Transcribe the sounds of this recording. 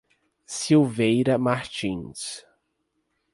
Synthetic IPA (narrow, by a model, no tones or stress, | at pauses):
siwvejɾɐmaɾt͡ʃĩs